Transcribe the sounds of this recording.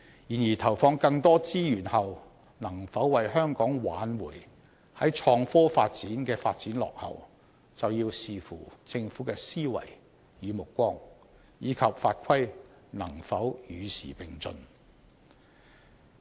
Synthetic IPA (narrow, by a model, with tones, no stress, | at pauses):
jiː˨˩njiː˨˩t̪ʰɐ˨˩wfɔː˧ŋkɐ˧ŋt̪ɔː˥t͡siː˥jyː˨˩nhɐ˨w | nɐ˨˩ŋfɐ˨˥wwɐ˨jɦœː˥ŋkɔː˨˥ŋwaː˨˥nwuː˨˩j | hɐ˨˥jt͡ʃʰɔː˧ŋfɔː˥fa̰ː˧t̚t͡siː˨˥nkɛː˧faː˧t̚t͡siː˨˥nlɔ̰ː˨k̚hɐ̰˨w | t͡sɐ˨wjiː˧wsiː˨fuː˨˩t͡sɪ˧ŋfuː˨˥kɛː˧siː˥wɐ̰˨˩j | jyː˨˧mʊ˨˩kʷːɔː˥ŋ | jiː˨˧kʰɐ˨p̚faː˧t̚kʰɐ˥j | nɐ˨˩ŋfɐ˨˥wjyː˨˧sḭː˨˩pɪ˨˩ŋt͡sɵ̰˨˧n